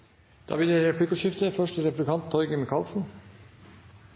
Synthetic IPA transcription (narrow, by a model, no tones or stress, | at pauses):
d̪̥ɑ̰ːbɪd̪ɛɾɛpʰlɪkʊʃɪft̪əfœʂʈəɾɛpɾd̪ʉkʰɑnt̪ʰːɔʏɡəmɪkʰɑːlsn̩